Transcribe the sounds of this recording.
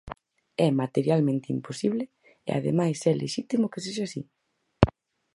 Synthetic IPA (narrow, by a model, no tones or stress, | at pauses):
ɛmat̪eɾjalmẽnt̪eimposiβle | ḛa̰ðḛmajsɛlʔḛʃit̪imʊkes̬eʃasi